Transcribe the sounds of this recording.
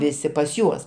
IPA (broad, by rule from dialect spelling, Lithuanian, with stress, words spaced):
ˈʋʲɪsʲɪ pɐs ˈjuɔs